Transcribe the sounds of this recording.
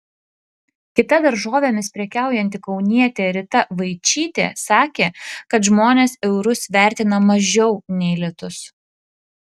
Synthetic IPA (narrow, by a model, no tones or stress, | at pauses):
kʲɪt̪ɐd̪ɐɾʒoːʋʲeːmʲɪspʲɾʲɛkʲæˑʊjɛnʲt̪ʲɪkɒʊnʲiɛt̪ʲeːɾʲɪt̪ɐʋɐɪt͡ʃʲiːt̪ʲḛːsɑːkʲeːkɐt̪ʒmoːnʲeːsɛʊɾʊsʋʲæˑɾʲt̪ʲɪnɐmɐʒʲɛʊnʲɛɪlʲɛt̪ʊs